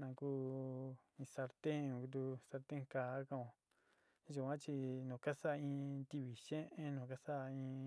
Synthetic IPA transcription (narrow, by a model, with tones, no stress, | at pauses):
nã˧kuː˦ | ĩ˧sa˧ɾt̪ẽ˦˧˨ku˧t̪̬u˧sa˧ɾt̪ẽ˦ŋka˨˦kã˧õ˧˨˦ | ʒu˨kʷã˦t͡ʃi˧nũ˨ka˦sa˦˧ĩ˧t̪i˧βi˨ʃẽ˦ʔẽ˦nõ˨ka˦sa˦˧ĩ˧